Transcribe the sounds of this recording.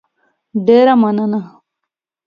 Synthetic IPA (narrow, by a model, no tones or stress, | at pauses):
ɖeːɾɐmɐnɐnɐ